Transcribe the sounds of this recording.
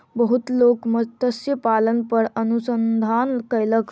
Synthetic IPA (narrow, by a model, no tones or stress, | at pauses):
bəɦut̪lokmət̪əsjəpalənpəɾənusənd̪ʱankəjlək